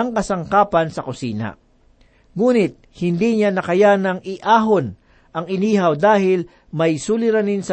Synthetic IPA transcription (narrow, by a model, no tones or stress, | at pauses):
ɐŋkɐsɐŋkaːpɐnsɐkʊsḭːnɐ̰ | ŋuːnɪt̪̚ | hɪnd̪iɲanɐkɐjanɐŋɪʔaːɦon | ʔɐŋɪniːɦɐwd̪aːhɪl | mɐjsulɪɾanɪnsɐ